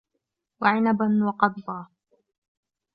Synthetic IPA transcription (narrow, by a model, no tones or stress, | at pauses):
waʕɪnabanwɑqɑd̪ːˤɑː